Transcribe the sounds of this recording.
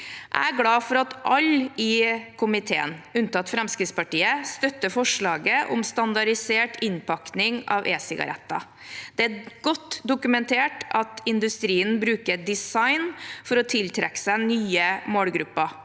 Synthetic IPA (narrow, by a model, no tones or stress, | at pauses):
ʔæ̰ɪæɾɡlɑːfɔɾɑt̪ʔɑlːɪkʰʊmɪt̪ʰḛːə̰nʉnt̪ɑt̪fɾɛmskɾɪt̪spɑʈiːəst̪œt̪ːəfɔʂɭɑːɡəʔʊ̰mst̪ɑnd̪ɑɖɪseːʈʰɪnpɑknɪŋɑ̰ʋʔeːsɪɡɑ̰ɾʔɛ̰t̪ːɑ̰ | d̪̥ɛæɡɔt̪ːd̪ʊkʉmɛnt̪ʰeːʈɑt̪ɪnd̪ʉst̪ɾiːənbɾʉːkəd̪ɪsɑɪnfɔɾɔt̪ʰɪlt̪ʰɾɛkːsænyːəmoːlɡɾʉpːɑ